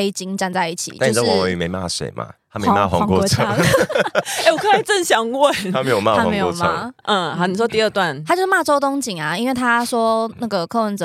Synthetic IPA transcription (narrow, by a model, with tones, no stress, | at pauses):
e˦ɪt͡ɕi˧˥ŋʈ͡ʂa˥˧nt͡sa˥˧ɪi˥˩t͡ɕʰḭ˨˩t͡ɕa˥˨˩o˥wɔ˨˩˧y̰˨˩me˨˧˦ma̰˥˩sḛ˨˩ɪmʔa̰˨a˦me˧˦˧ma̰˥˧˨xwa̰˧˦kwɔ˥ɔ˧˥˧t͡sʰə˥˧˥ | e˧˩wɔ˨˩kʰə˥˨˩t͡sə˥˨nɕjɑ˨˩ŋwə˥˨nʰa˦me˧˦jo˨˩ma˥˨a˥wɪoɔ˥˧˨ma̰˧ʔ̩˥˩a˧˥ni˨˩ʂwɔ˦˥t̪i˧ə˥˧t̪wa˥˨nʰa˥t͡ɕjo˥˧ʂ̩˥˩ma˥˩ʈ͡ʂo˥ʊt̪ʊ˥˦ŋt͡ɕi˨˩ŋa˩i˥nwe˥˩ɪt̪ʰa˦ʂwɔ˥na˥˩ɡə˨˩kʰɤ˥˧wə˧˦nt͡sə˨